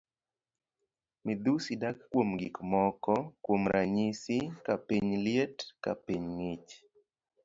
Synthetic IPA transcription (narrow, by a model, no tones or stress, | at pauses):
mɪd̪usidakkːwomɡḭkmɔkɔkwomɾaɲisikapiɲlɪetka̰piɲŋɪt͡ʃ